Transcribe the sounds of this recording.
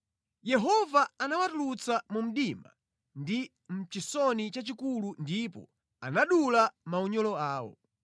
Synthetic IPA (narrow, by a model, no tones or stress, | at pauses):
jɛɦɔvaanawatulut͡samum̩ɗima̰ | ndi | m̩t͡ʃisɔnit͡ʃat͡ʃikulundipɔ̰ | a̰naɗulamauɲɔlɔaːwɔ̰